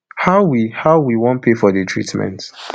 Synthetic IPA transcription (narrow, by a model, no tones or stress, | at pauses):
haʊwihaʊwiwɔ̃npʰefɔðətʰɹḭtmɛ̰̃nt